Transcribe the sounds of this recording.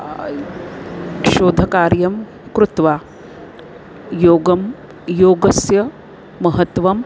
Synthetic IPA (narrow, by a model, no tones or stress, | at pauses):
ʃoːd̪ʱɐkaːɾjɐm | kɾut̪ʋaː | joːɡɐm | joːɡɐsjɐ | mɐɦɐt̪ʋɐm